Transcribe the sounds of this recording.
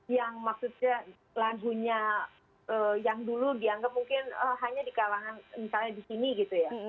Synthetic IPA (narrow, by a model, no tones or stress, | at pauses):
jaŋmaksut̪̚ɲa | laɡuɲa | əjaŋduludiaŋɡap̚muŋkɪnəɦaɲadikalaŋanmisalɲadisiniɡit̪uja